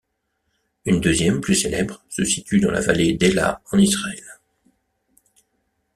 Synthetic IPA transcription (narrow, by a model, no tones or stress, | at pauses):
ynd̪øzjɛmplyselɛbʁsəsit̪yd̪ɑ̃lʔa̰valed̪ela̰ɑ̃nisʁaɛl